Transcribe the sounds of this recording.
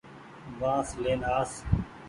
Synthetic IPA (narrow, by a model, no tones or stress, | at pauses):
ʋãːsleːnaːs